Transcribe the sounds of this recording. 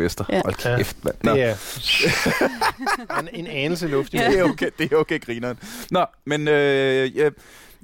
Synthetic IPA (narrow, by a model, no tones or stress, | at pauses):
esd̥ɐɒlkʰefd̥ʋænnɒ | nenɛːnl̩səlɔfd̥eokʰed̥e̝oʊkʰeːɡ̥ʁinɒnnɒmenøj